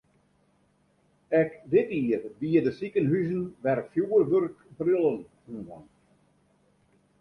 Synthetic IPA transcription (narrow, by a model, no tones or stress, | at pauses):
ɛkdɪtiərʋiədəsikənɦyzən̩ʋɛrkfjuːərʋørkbrɪlˠənhuvɔ̰n